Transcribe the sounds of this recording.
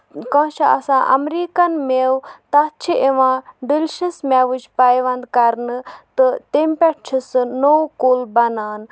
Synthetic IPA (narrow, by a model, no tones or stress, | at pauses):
kɐ̃ːʃɐɐ̰sãːʔɐ̰mɾiːkɐnmewt̪ɐt͡ʃʰiʔeʋãːɖilʲʃismʲɛʋut͡ʃʰpajʋɐnd̪kɐɾnɨt̪ɨt̪empʲɛʈt͡ʃʰisnowkolbɐnaːn